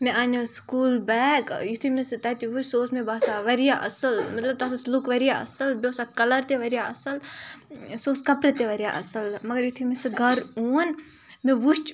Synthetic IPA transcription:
mẽʔaːnʲoskuːlbɛːkjut̪ʰimisɨt̪ɐt̪iʋut͡ʃʲsoːsmẽbaːsaːʋɐɾijaʔɐ̰sɐlmɐt̪lɐb̚t̪aːt̪ʰuslukʋɐɾijaɐ̰sɐlbʲoːsakɐlɐɾt̪eʋɐɾijaɐsɐl | soːskɐpɾet̪eʋɐɾija̰ʔɐsɐlmɐɡɐɾjut̪ʰimisɨɡʱɐɾuːn | mẽʋut͡ʃ

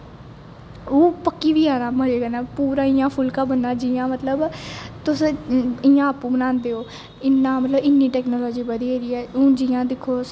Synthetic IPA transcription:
oːpəkːiːʋiːaːnãːməd͡ʒeːɡənãːpuːɾãːɪjãːpʰʊlkãːbənːãːd͡ʒijãːmət̪ləbt̪ʊsɪjãːəpːũːbənãːnd̪eːoː | ɪnːãːmət̪ləbɪnːiːʈɛːknoːlɔːd͡ʒiːbəd̪iːeːɾiːɛːõːd͡ʒijãːd̪ɪkʰːoː

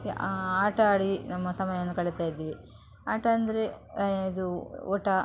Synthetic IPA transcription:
aːʈɐaːɽinɐmːɐsɐmɐjɐɐnːukɐɭit̪aːjid̪ːiːʋi | aːʈɐɐnd̪ɐɾe̞id̪uɔ̰ːʈːɐ

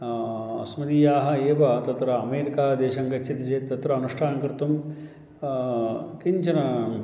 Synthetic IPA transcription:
ɐ̰smɐd̪iːjaːɦɐeːʋɐt̪ɐt̪ɾɐːmeːɾikaːd̪eːʃɐŋɡɐt͡ʃt͡ʃʰit̪ɐd͡ʒeːt̪ːɐt̪ɾɐːnuʂʈʰaːnɐkɾɪt̪um | kiɲt͡ʃʰɐnɐ

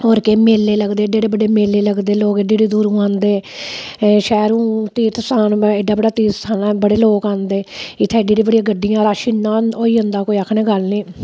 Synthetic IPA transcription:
ɦoːɾkeːmeːlːeːləɡd̪eːɖeːɽeːbəɖeːmeːlːeːləɡd̪eːloːkeɖiːɖiːd̪uːɾũːãːnd̪eː | ʃɛːɾũːt̪iːt̪saːnɪɖːaːbəɽaːt̪iːt̪sʰaːnãːbəɽeːloːkãːnd̪eːɪt̪ʰɛːɖiːɾiːbəɽijãːɡəɖːɪjãːɾaːʃiːnːãːoːiːʊ̃nd̪aːkoːiːəkʰneːɡəlniː

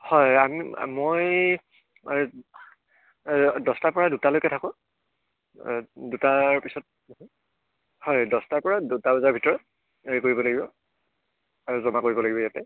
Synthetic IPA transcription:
hɔjamḭmoj | dɔstapɔɹadutalojkɛtʰakʊ̃ | dutapisɔt̚ | hɔjdɔstapɔɹadutabazaɹbʱitɔɹɔt | eɹikoɹibɔlaɡibɔ | aɹuzɔmakoɹibɔlaɡibɔjatɛ

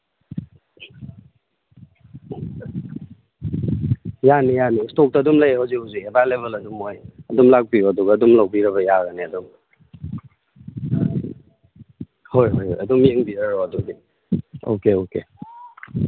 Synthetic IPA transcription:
janijanistok̚tɐːdumlajhawzikhawziebajleβelɐdumojɐdumlak̚piuɐduɡaːdumlawbiɾɐβɐjaɡaneɐduŋ | hojhojhojɐdumjeŋbiɾaɾoɐdudi | o̰keokḛ

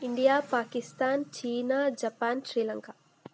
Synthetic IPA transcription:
iɳɖijaːpaːkist̪aːnt͡ʃiːnaːd͡ʒɐpaːnʃɾiːlɐŋka

